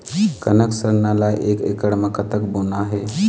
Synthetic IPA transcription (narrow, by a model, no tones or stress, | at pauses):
kənəksəɾnalajʔekḛkəɽməkət̪əkbonaɦe